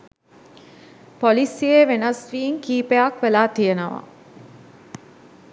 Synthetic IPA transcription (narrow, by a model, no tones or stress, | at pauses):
pɔlisijeʋenɐsʋiiŋkiːpejakʋelaːt̪ijənəʋa̰